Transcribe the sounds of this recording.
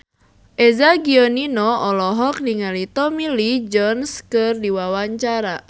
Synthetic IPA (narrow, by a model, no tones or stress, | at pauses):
ʔezaɡiɔninɔɔlɔɦɔk̚niŋalit̪ɔmilid͡ʒɔnskɨrdiwawaɲt͡ʃaɾa